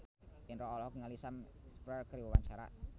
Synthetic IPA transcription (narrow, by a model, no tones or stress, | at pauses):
ɪnɾɔɔlɔhkŋəlisamspərkəɾiwəwaɲt͡ʃaɾa̰